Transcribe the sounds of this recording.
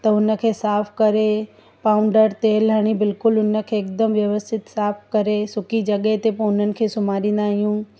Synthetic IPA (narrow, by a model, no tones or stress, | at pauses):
t̪ɐʊnə̆kʰeːsaːpʰkɐɾe | paːʊ̃ɳɖəɾt̪eːlːəɽ̃ibɪlkʊlʊnə̆kʰeːkd̪əmʋjɐʋəst̪ʰɪt̪saːpʰkɐɾesʊkid͡ʑɐɠəɦt̪epɐ̃ʊn̤ənɪ̆kʰesʊmaːɾĩːn̆d̪aːɦijũ